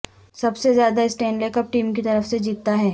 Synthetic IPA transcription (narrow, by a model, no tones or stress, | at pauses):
sɐbsezjaːd̪aɪsʈẽːɳɖleːkɐp̚ʈiːmkit̪ɐɾəfsed͡ʒiːt̪ːaɦɛː